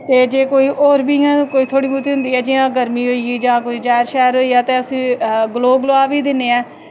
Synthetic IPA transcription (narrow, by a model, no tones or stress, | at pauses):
t̪eːd͡ʒeːkoːiːʔoːɾbiːãːkoːiːt̪ʰoːɽiːmut̪iːɦʊ̃nd̪iːɛːd͡ʒiːãːɡəɾmiːɦoːiiːd͡ʒãːkoiːd͡ʒɛːɾʃɛːɾɦoːiːaːt̪eːəsĩːɡloːɡloːaːʋiːd̪ɪneːɛː